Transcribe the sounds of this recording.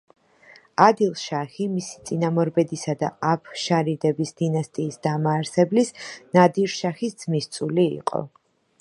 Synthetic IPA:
ad̪ilˠʃaχimisi̥t̪sʼinamɔɾbɛd̪isad̪aapʰʃaɾid̪ɛbisd̪̥inast̪ʼiːsd̪̥amaːɾsɛblisnad̪iɾʃaχisd̪z̥mist̪sʼuliḭqʼɔ̰

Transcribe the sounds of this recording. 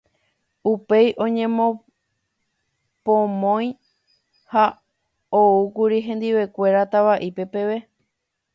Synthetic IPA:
upe̞jʔõ̞ɲẽ̞mõ | põmõ̞j̃ | ha | oukuɾiɦẽ̞nd̪iʋe̞kʷe̞ɾat̪aβaʔipe̞pe̞ʋe̞

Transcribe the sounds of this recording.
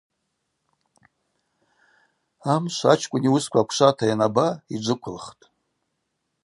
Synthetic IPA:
amʃʷat͡ʃʰkʷʼʊniuskʷʰakʷʰʂʷatʰajanabaid͡ʒʷɨkʷʰʊlχtʼ

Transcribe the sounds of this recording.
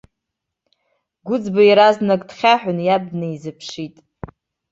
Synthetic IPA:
ɡʷʊd͡zbajiɾaznaɡdχʲaħʷᶣʊnjab̚dneizɨpʰʂitʼ

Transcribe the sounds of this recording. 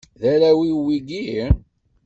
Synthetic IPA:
ðæɾæwiwiɡi

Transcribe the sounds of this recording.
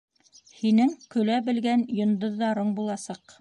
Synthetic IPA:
hinɘŋkɵ̆læbɘ̆lɡænjŏnd̪ɤ̆ðːɑɾɤɴbulˠɑsɑq

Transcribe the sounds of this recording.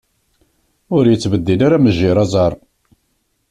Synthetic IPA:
ʊɾjət͡sːvəd̪ːilaɾaməʒːiɾˤɑzˤɑɾˤ

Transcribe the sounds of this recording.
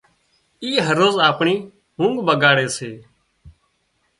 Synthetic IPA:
iːɦəɾoːzaːpɳiː | ɦũːŋɡbəɡaːɽeːseː

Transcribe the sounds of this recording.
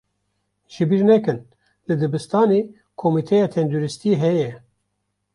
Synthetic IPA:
ʒɨbiːɾnɛkɨn | lɨd̪ɨbɨst̪ɑːneː | kʰomit̪ʰɛjɑːt̪ʰɛnd̪uɾɨst̪iɦɛjɛ

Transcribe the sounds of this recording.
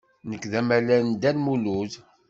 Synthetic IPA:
nəkːðæmælænd̪ælmuluð

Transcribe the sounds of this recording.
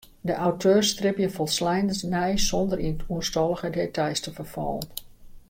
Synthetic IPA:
dəʔawtʰøːrstrɪpjəfɔlˠslɛjnəsnɛjsɔndərinətʰuəstɔlˠəɣədetʰajstəfərfɔ̰ːlən

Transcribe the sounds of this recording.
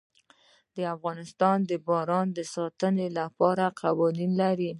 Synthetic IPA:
d̪əafɣɑnɪst̪ɑnd̪əbɑɾɑnd̪əsɑt̪ənelapɑɾaqʰawɑninlaɾi

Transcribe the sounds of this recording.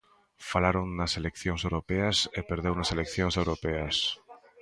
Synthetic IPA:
falaɾoŋːaselekθjoŋsewɾopeasepeɾðewnaselekθjoŋsewɾopeas

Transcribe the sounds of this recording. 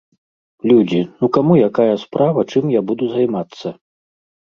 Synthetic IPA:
lʲud͡zʲinukamujakajɐspɾʔavɐt͡ʂɨmjabud̪uzajmat̪sːɐ

